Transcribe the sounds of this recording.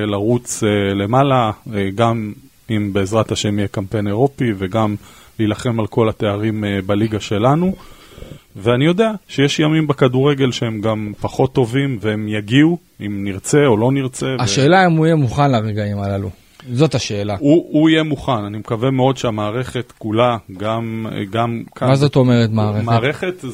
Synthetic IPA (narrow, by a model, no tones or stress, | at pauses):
laʁut͡sele̞malaɡam | imbeːzʁathaʃemijekampe̞ne̞ʁo̞piveɡam | liːlaχe̞malko̞lat̪e̞aʁimbaliɡaʃe̞lanu | veanijo̞de̞aʃejeʃjamimbekaduʁe̞ɡe̞lʃehe̞mɡampaχo̞t̪ːo̞vimveemjaɡiu | imniʁt͡se̞o̞lo̞niʁt͡se̞vaʃe̞ːlaemuijemuχanlaʁeɡaimalalṵ | zo̞t̪aʃe̞ːlauuijemuχananimekavemeo̞d̪ʃeamaːʁe̞χe̞t̪kulaɡam̰ɡamkʰamazotomeʁet̪maːʁemaʁeχet̪